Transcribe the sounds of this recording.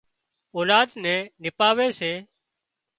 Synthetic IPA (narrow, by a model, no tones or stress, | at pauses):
oːlaːd̪nɛ̃ːnɪpaːʋeːseː